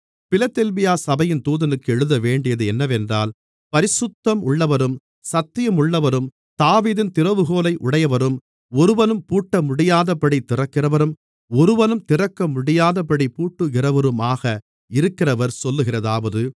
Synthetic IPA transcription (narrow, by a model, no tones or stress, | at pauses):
pɪlɐt̪ːɛlbɪjaːsɐbɐjɪnt̪uːðɐnɯkːɯɛɻɯðɐʋeːɳɖɪjɐðɯɛnːɐʋɛndraːl | pɐɾɪsʊt̪ːɐmʊɭːɐʋɐɾɯm | sɐt̪ːɪjɐmʊɭːɐʋɐɾɯm | t̪aːʋiːðɪnt̪ɪɾɐʋɯɣoːlɐɪʔʊɽɐjɐʋɐɾɯm | ɔɾɯʋɐnɯmpuːʈːɐmʊɽɪjaːðɐpɐɽit̪ːɪrɐkːɪrɐʋɐɾɯm | ɔɾɯʋɐnɯmt̪ɪrɐkːɐmʊɽɪjaːðɐpɐɽipuːʈːɯɣɪrɐʋɐɾɯmaːɣɐ | ɪɾɯkːɪrɐʋɐɾsɔlːɯɣɪrɐðaːʋɐðɯ